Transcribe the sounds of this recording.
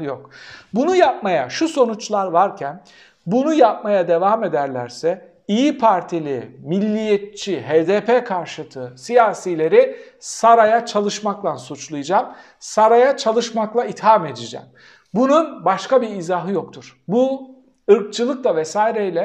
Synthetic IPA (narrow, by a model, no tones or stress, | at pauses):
jokbunujap̚majaʃuso̞nut͡ʃlˠaɾvaɾcʰæn | bunujap̚majad̪e̞vaːme̞d̪æɾlʲæɾsɛ | ijipʰaɾt̪ʰilʲimilʲːijet̪̚t͡ʃʰiɦeːd̪eːpʰekʰaɾʃt̪ʰɯsijaːsilʲe̞ɾɪ | saɾajat͡ʃʰalˠɯʃmaklˠansut͡ʃlˠɯjɯd͡ʒam | saɾajat͡ʃʰalˠɯʃmaklˠait̪hame̞d̪id͡ʒɛ̰m | bununbaʃkabiizaɦɯjo̞kt̪ʰuɾ̥bu | ɯɾk̚t͡ʃʰɯlˠɯk̚lˠavɛsaːiɾejlʲɛ